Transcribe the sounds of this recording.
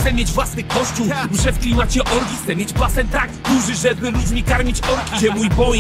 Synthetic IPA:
t̪sɛmʲjed͡ʑvwasnɘkɔɕt͡ɕuwʐɛfklʲimat͡ɕɛʔɔɾkʲixt̪sɛmʲjed͡ʑplasɛnt̪akd̪uʐɘʐɛbɘlud͡ʑmʲikaɾmʲit͡ɕɔɾkʲiɛmujbɔjɛ

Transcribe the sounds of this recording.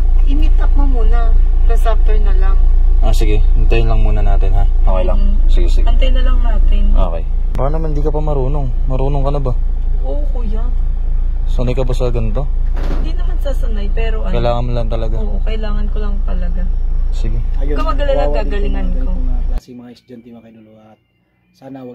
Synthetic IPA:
ɐɡɪmɪt̪̚nɐk̚mɐmuːnɐ | nɐsaf̚t̪oɹnɐlɐŋʔasɪɡɛɐnt̪ɐjnlɐŋmuːnɐnaːt̪ɪnɦaʔoːkejlɐŋ̩sɪɡɛsɪɡɐnt̪ɐjnɐlɐŋnaːt̪ɪnʔo̰kḛj | paːɾɐnɐmand̪iːkɐpɐmɐɾuːnoŋ | mɐɾuːnoŋkɐnɐba | ʔokujɐ | sonɐjkɐbɐsɐɡɐnt̪o̞ | hɪnd̪inɐmansaːsɐnajpɛːɾo̞ʔɐkɐjlaːŋɐnmlɐŋt̪ɐlɐɡaoːʔokɐʔɪlaːŋɐnkolɐŋt̪ɐlɐɡasɪɡɛkɐmɐɡɐlɐaɡaːɡɐlɪŋɐnkosɪmɐŋaɪsd͡ʒɐnt̪ɪnokɐnolʊat̪̚ | saːnɐ

